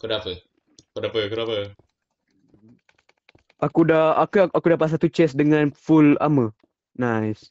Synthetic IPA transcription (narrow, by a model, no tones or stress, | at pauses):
kodapə | kodapəkəɾapə | ʔakudaakəʔakudapas̬at̪ut͡ʃɛsdəŋãnfula̰mə | najs